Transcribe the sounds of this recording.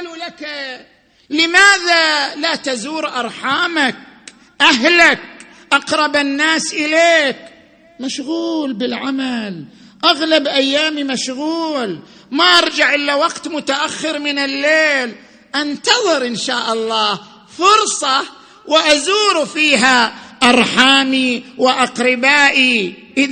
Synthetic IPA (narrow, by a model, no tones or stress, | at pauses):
lulak | lɪmaːðalat̪azuːɾʔɑɾˤħaːmak̚ | ʔaɦlak̚ | ʔɑqɾˤɑbɪnːaːsʔɪleːk | maʃɣuːlbɪlʕamal | ʔaɣlabʔajːaːmimaʃɣuːl | maʔɑɾˤd͡ʒaʕʔɪlːawaqt̪mʊt̪aʔaxːɪɾmɪnɪlːeːl | ʔant̪ɑðˤɨɾʔɪnʃaːʔɑlˤːɑː | fʊɾsˤɑ | wɪʔazuːɾufiːɦaʔɑɾˤħaːmiwɪʔɑqɾɪbaːʔi | ʔɪ